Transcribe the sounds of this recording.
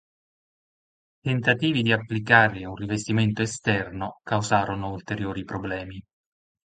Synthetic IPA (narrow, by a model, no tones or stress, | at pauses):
t̪ent̪at̪iːvid̪iapːlikaːɾeunrivest̪iment̪oest̪ɛrnokawzaːɾonoult̪eɾjoːɾipɾoblɛːmi